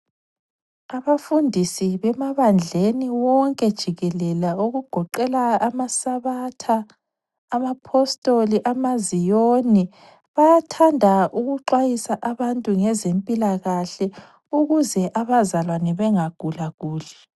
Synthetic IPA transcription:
aβafundʱisiβɛmaβand͡ɮʱeniwɔŋkʼɛd̥ʒ̥ʱiɣɛlɛlauɣuɡ̥ʱɔǃɛlaːmasaβatʰaː | mapʰɔstʼoliʔamazijoni | βajatʰandʱaʔuɣuǃwajisaʔaβantʼuŋɛzempʼilaɣaɬɛ | uɣuzɛʔaβazalwanɛβɛŋaɡ̥ʱulaɣ̥uːlɛ

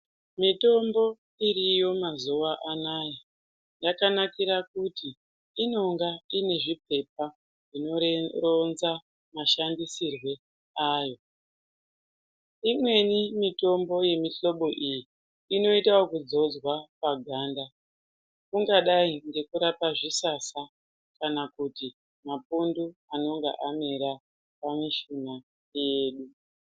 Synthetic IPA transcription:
mito̞mbo̞ | irijo̞mazuwaʔanaja | jakanakiɾakutiː | no̞ŋɡaine̞ʐip̚e̞p̚a | ʐino̞ronza | maʃandisirwe̞ | aːjo̞ | imwe̞nimito̞mbo̞je̞miɬoɓo̞ʔijiː | no̞itawakud͡zo̞d͡zwapaɡʱaːnda | kuŋɡaɗaiŋɡe̞kuɾapaʐisasa | kanakuti | mapunduano̞ŋɡḛʔameɾa | pamiʃina | jeːɗu

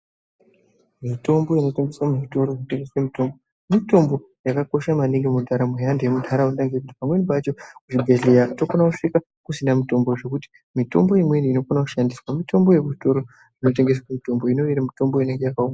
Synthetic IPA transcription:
mito̞mboino̞te̞ŋɡe̞swamuʐito̞ɾoʐinote̞ŋɡe̞swemito̞mbo | mito̞mbo̞ | jakako̞ʃamaniŋɡemundʰʱaɾamujandeemundʰʱaɾauntaŋɡekuti̥pamwe̞nipat͡ʃo̞kuʐiɡʱeɮejatofonakuʂika | kusinamito̞mbo̞ʐe̞kuti̥ | mito̞̰mbo̞imwe̞niino̞fonaku̥ʃandiswamito̞mboje̞kuʐito̞ɾo̞ | ʐ̥ino̞te̞ŋɡe̞s̬wamito̞mbo̞ino̞eɾamito̞mbo̞ine̞ŋɡe̞jakaumɡa

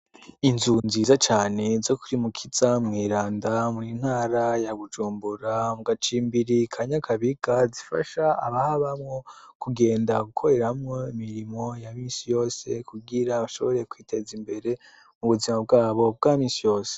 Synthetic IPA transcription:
inzunziːzat͡ʃaːne̞zo̞kuɾimukʰizamŋiːɾaːndamin̥haːɾajaβud͡ʒuːmbuɾamuɡat͡ʃiːmbiɾikʰaɲakʰaβiɡazifa̰ʃa̰ːβahaβamŋo̞kuɡe̞ːndaɡukʰo̞ɾe̞ɾamŋo̞imiɾimo̞jamiːnsijo̞ːse̞̰kuɡiɾaβaʃo̞̰βo̞ɾe̞kwiːte̞zimbe̞ɾe̞ | muβuzimab̚ɡaːβo̞b̚ɡaːmiːnsijo̞ːse̥

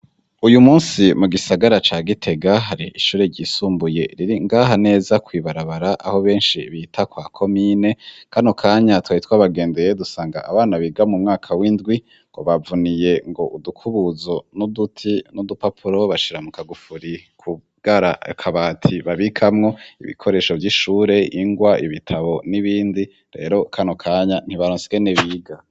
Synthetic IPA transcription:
ujumuːnsimuɡisaɡaɾat͡ʃaːɡitʰe̞ɡaɦaɾiʔiʃuːɾe̞ɾɟiːsuːmbuje̞ɾiɾiŋɡaɦane̞ːzakwiːβaɾaβaɾaʔa̰ho̞βe̞ːnʃiβitʰakwaːkʰo̞miːne̞kʰanokʰaːɲatwaitwaːβaɡe̞ːndejedusaːŋɡa̰ʔaβaːnaβiɡamumŋaːkʰawindɡwi | ŋɡo̞̰βavunije̞ŋɡo̞ʔudukʰuβuzo̞nudutʰinudupapʰuɾo̞βaʃiɾamukaɡufuɾikʰu | ɡ̥aɾakʰaβaːtʰiβaβikʰamŋo̞ḭβḭkʰo̞ɾe̞ːʃo̞vjiʃuːɾe̞iŋɡwaʔiβitʰaβo̞niβiːndi | ɾe̞̰ːɾo̞kʰano̞kʰaːɲan̥hiβaɾoːnsi̥keneβiːɡa

